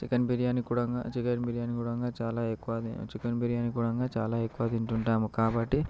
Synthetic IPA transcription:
t͡ʃikɐnbiɾijaːnikuːɽɐŋɡa̰ːt͡ʃikɐnbiɾijaːnikuːɽɐŋɡaːt͡ʃaːlaːekːuʋaːd̪ḭt͡ʃikɐnbiɾijaːnikuːɽɐŋɡaːt͡ʃa̰ːlaːekːuʋaːd̪iɳʈuɳʈaːmukaːbɐʈːi

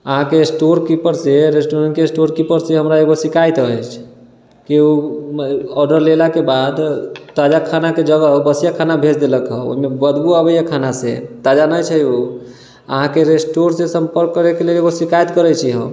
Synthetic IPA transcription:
əɦãkeːsʈoɾkipəɾseɾesʈoɾənkeːsʈoɾkipəɾseɦəmɾaeɡosikajt̪ət͡ʃʰ | kiu | ɔɖəɾlelakebad̪t̪ad͡ʒakʰanaked͡ʒəɡəbəsjakʰanabʱet͡ʃʰd̪eləkəo̰ɦimebəd̪buabəjakʰanasḛt̪ad͡ʒanəjt͡ʃʰəjo | ə̰ɦãkeɾesʈoɾsesəmpəɾkːəɾekeleleɡosikajt̪kəɾɛt͡ʃʰiɦə̰̃m

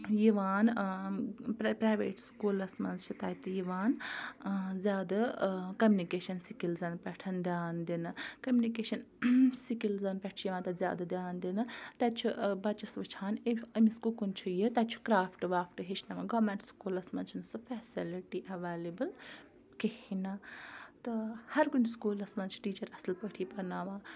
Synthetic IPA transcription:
jiʋaːn | ppɾaːjʋḛːʈskuːlɐsmɐ̃nzt͡ʃʰit̪ɐːjt̪ijiʋaːn | zʲjaːd̪ɐkɐmʲjunikeːʃɐnsikilzɐnpʲɛʈʰɐnd̪ʲjaːnd̪inɨkɐmʲjunikeːʃɐn | sikilzɐnpʲɛʈʰujiʋaːnt̪ɐzʲja̰ːd̪ɐd̪jaːnd̪inɨt̪ɐt͡ʃʰuʔbɐt͡ʃɐsʋɨt͡ʃʰaːneɐmiskukunt͡ʃʰujɨt̪ɐt͡ʃʰu̥kɾaːpʰʈʋaːpʰʈɨɦet͡ʃʰnɐʋaɡɐːmeɳʈskuːlɐsmɐ̰nt͡ʃʰinɨsɨpʰɛːsiliʈiʔɐʋeːlibɨl | kehinat̪ɨhɐɾkunskuːlɐsmɐt͡ʃʰi̥ʈiːt͡ʃɐɾɐslpəʈʰiːpɐnaːʋaː

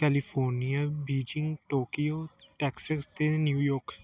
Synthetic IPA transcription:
kɛlifʰoːɾnijabiːd͡ʒiŋʈoːkijoʈɛksəst̪enjuːjoːɾk

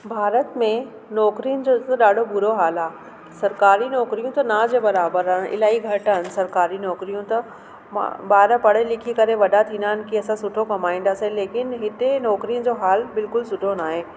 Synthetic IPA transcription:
bʱaːɾət̪mẽ | nɔːkɾijʊnɪ̆d͡ʑot̪ɐɗaːɖʱobʊɾoɦaːlaː | sɐɾkaːɾinɔːkɾijũt̪ɐnãːd͡ʑebɐɾaːbəɾanʔɪ̰laːiɡʱɐʈəɦɪnɪ̆sɐɾkaːɾinɔːkɾijũt̪ɐ | ma̰baːɾpɐɽ̤elɪkʰikɐɾeʋɐɗat̪ʰĩːnd̪aːɪnɪ̆kiɐsãsʊʈʰokɐmaːĩːnd̪asẽleːkɪnɦɪt̪enɔːkɾijʊn̆d͡ʑoːɦaːlbɪlkʊlsʊɖʱonaːɦeː

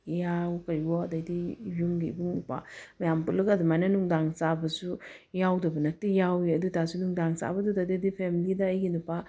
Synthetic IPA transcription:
jawkajwɔd̪ad̪ijuŋɡibuŋdupa̰majampulɯɡad̪umananuŋdaŋsabɐsujawdɐbənɐt̪ijawiəd̪ut̪asunuŋd̪aŋsa̰bɐd̪ud̪ad̪ad̪ipʰemilid̪aːjɡinupa

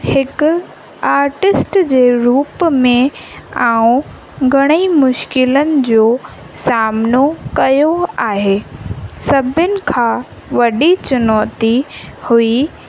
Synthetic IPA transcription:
hɪkʊ | aːɾʈɪsʈd͡ʑeːɾuːpmẽaːũ | ɡʱɐɽ̃imʊʃkɪlənɪ̆d͡ʑoː | saːmnokɐjoaːɦeːsɐbʱɪnɪ̆kʰãː | ʋɐɗit͡ɕʊnɔːt̪ihui

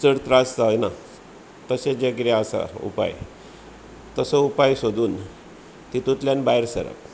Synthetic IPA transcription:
t͡səɽt̪ɾast͡sajna | t̪əsed͡ʑekɾaasa̰ṵpa̰j | t̪əsɔupajsod̪uːn | t̪it̪ut̪ljanbaɦiɾsə̰ɾə̰p̚

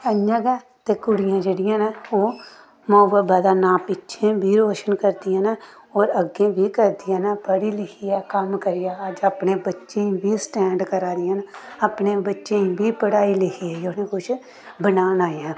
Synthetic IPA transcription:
əɲjəɡɛː | t̪ekʊɽɪjãːd͡ʒeɽɪjãːnaoː | mɔːʋəbad̪aːnaːpɪtːʃʰẽbʱiɾoːʃənkəɾd̪ijãːna | ɔːɾəɡẽbʱikəɾd̪ijãːnapəɽilɪkʰiɛːkəmkəɾijaːd͡ʒəpnebətːʃẽĩbʱisʈɛ̃ːɳɖkəɾaːd̪ɪjãːnaəpnebətːʃẽĩbʱipəɽaːilɪkʰiɛːoːnẽkʊt͡ʃʰ | bənaːnaːãː

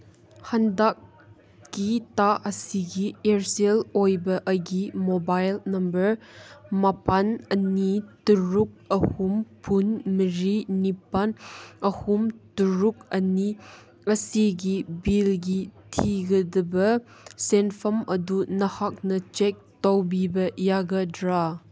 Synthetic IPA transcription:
hɐndak̚ː | itaʔɐsiɡieɾselojbɐʔɐɡimobajlnɐmbɐɾmɐpanɐnituɾuk̚ɐhumpʰunmiɾinipanɐhumtuɾuk̚ɐni | ɐsiɡibilɡitʰiɡɐdɐbɐ | senpʰɐmʔɐdunɐhak̚nɐt͡ʃek̚tɔwbibɐjaɡɐdɾa

